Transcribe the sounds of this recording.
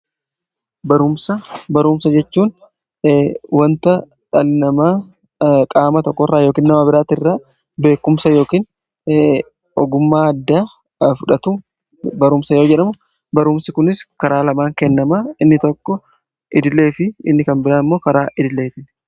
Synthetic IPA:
bɐɾʊmsɐbɐɾuːmsɐd͡ʒɛt͡ʃːuːn | wɐnt̪ɐ | ᶑɐlnɐmaː | kʼaːmɐt̪ɔkːɔrːaːjoːkiːnnɐmaːbɪɾaːt̪ɪrːaː | be̞ːkːʊmsɐjo̞ːkiːn | ɔ̰ɡʊmːaːɐd̪ːaː | fʊᶑɐt̪u | bɐɾʊmsɐjo̞ːd͡ʒɛᶑɐmʊ | bɐɾʊmsɪkʊnɪskɐɾaːlɐmaːŋkɛnːɐmaɪnːɪt̪ɔkːɔ | ʔɪd̪ɪle̞ːfɪɪ̰nːɪkɐnbɪɾaːɪmːo̞ːkɐɾaːʔɪd̪ɪlːeːt̪ɪn

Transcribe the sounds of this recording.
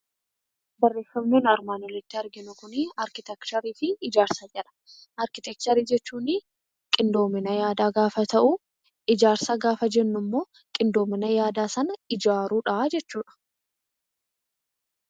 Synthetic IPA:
bɐrːe̞ːfːɐmnuːnɐɾmaːnɔlɪt̪ːɪɐɾɡɪnʊkʊnɪɐɾkɪt̪ɛkt̪ɐɾiːfɪːd͡ʒaːɾsad͡ʒɛlɐ̥ | ʔɐɾkɪt̪ɛk̚t̪ɐɾiːd͡ʒɛt͡ʃːuːnɪ | kʼɪnd̪o̞ːmɪnɐjaːd̪aːɡaːfɐt̪ɐʔu | ɪd͡ʒaːɾsaːɡaːfɐd͡ʒɛnːʊmːo̞ː | kʼɪnd̪o̞ːmɪnɐjaːd̪aːsɐnɐɪd͡ʒaːɾuːᶑɐd͡ʒɛt͡ʃːuːᶑɐ̥

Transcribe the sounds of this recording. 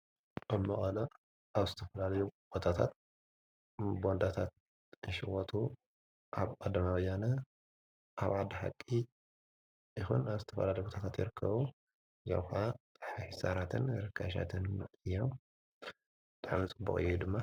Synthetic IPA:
ʔamɐχʼɐlɐ | ʔaβzɨt̪ʰɐfɐlalɐjub̥ot̪ʰat̪ʰat̪̚ | bo̞nd̪at̪ʰat̪̚ | ɨʃɪwot̪ʰu | ʔaβkʼɐd̪ɐmaβɐjanɐ | ʔaβʕad̪ɐħa̰kʼːi | ʔixṵnaβzɨt̪ʰɐfɐ̰lalɐjbot̪ʰat̪ʰat̪jɪɾɨkʰːɐβu | za̰wxat̪ʼħħisaɾat̪ʰɨnɾɨkʰːaʃ̬a̰t̪ʰɨnɨjːom | bɨt̪ʼaʕmit͡sʼɨbːukʼɨ̰jːud̪ɨmːa

